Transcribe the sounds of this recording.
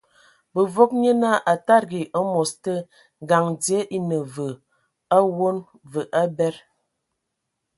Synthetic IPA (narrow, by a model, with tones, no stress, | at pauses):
bə˨vo˦k̚ɲə˦na˦˨ʔa˨ta˦ɾɡi˨ʔə˦mɔ˨stə˦˨ | ɡa˨ŋdje˦ʔi˦nə˨və˨ | a˦wo˦n | və˨ʔa˦bɛ˦ɾ